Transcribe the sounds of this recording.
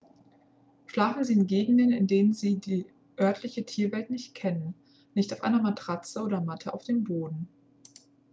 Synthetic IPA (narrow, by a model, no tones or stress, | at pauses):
ʃlaːfn̩ziːɪnɡeːɡŋ̩dənɪndeːnənziːdiː | ʔœɐtʰlɪçətʰiːɐvɛltnɪçt̚kʰɛnənː | ɪçtaʊfʔaɪnɐmatʁ̥at͡səʔoːdɐmatʰəa̰ʊfd̥eːmboːdn̩